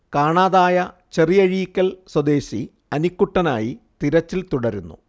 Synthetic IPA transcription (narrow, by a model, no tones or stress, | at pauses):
kaːɳaːðaːjɐ | t͡ɕe̞rijɐɻijikʲːɐlswɐd̪e̞ːɕi | ɐnikːuʈːɐnaːjit̪iɾɐt͡ɕːilt̪uɽɐɾunːṵ